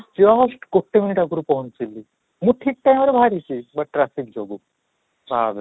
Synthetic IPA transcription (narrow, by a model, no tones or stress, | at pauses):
d͡ʑɔɦsʈkoʈʰːeminiʈakuɾupɔɦunt͡silːi | muʈʰiːk̚ʈajməɾebʱaɾit͡ɕibɐʈ̚ʈɾafik̚d͡ʒɔɡu | bab